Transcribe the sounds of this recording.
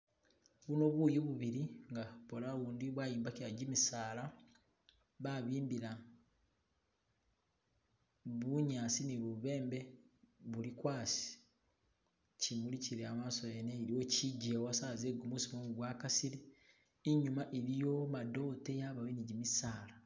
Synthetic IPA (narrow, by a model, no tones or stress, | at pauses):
βuno̞βuːjoβuβiɾiŋɡapolaβuːndiβwaːjiːmbakjaɟimisaːla | βaβiːmbiɾa | βuɲaːsiniβuβe̞ːmbe̞βulikwaːsi̥ | cimuliciɾeamaːsojeneiɾiwo̞ciɟewasaːzeɡumusimomuɡwaːkasiɾeː | ɲumaʔeɾijo̞mado̞ːte̞jaβaweniɟimisaːla